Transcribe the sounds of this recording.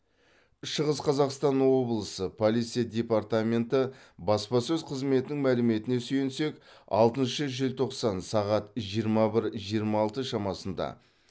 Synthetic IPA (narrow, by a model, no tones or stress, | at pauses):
ʃəʁəsqʰɑzɑqst̪ɑnwo̞blˠəsəpʰo̞lˠit̪sijad̪ʲe̞part̪amʲe̞nt̪ə | bɑspɑsɵzqʰəzme̞t̪ɪnɪŋmælɪme̞t̪ɪne̞syjense̞kɑ̰lˠt̪ənʃəʒɪlʲt̪ʰo̞qsɑnsɑʁɑt̪ʒijəɾmɑbɪɾʒijəɾmɑːlˠt̪əʃɑmɑsənd̪ɑ̰